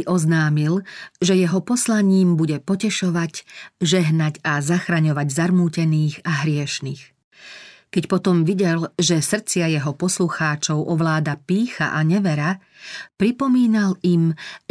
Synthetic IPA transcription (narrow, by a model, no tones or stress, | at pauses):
ʔɔznaːmilʒɛjɛɦɔpɔslaɲiːmbuɟɛpɔcɛʃɔʋaɟʒɛɦnacazaxɾaɲɔʋaɟzaɾmuːcɛniːɣaɦɾɪɛʃniːx | kɛcpɔt̪ɔmʋiɟɛlʒɛsr̩t͡sɪajɛɦɔpɔsluxaːt͡ʃɔʊʔɔʋlaːd̪apiːxa̰ʔaɲɛʋɛɾa | pɾipɔmiːnalim